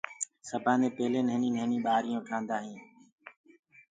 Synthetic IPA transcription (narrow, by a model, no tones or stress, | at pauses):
səbʱãːnẽːpeːlẽːnəɦnĩːnəɦnĩːɓaːɾɪjõːʈʰaːnd̪aːɦĩː